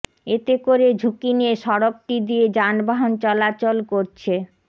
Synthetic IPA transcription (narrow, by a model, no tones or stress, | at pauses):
et̪ekoɾed͡ʑʱukinieʃɔɾok̚ʈid̪ied͡ʑanbaɦont͡ɕɔlat͡ɕolkoɾt͡ɕʰe